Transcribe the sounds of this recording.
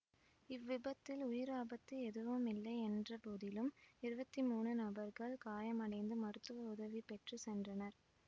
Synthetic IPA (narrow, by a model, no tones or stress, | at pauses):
ɪʋːɪbɐt̪ːɪlʊjɪɾaːbɐt̪ːɯɛðɯʋɯmɪlːɐɪɛndrɐpoːðɪlɯmɪɾɯbɐt̪ːimuːnɯnɐbɐɾɣɐɭkaːjɐmɐɽɐɪnd̪ɯmɐɾɯt̪ːɯʋɐʊðɐʋipɛʈrɯsɛndrɐnɐɾ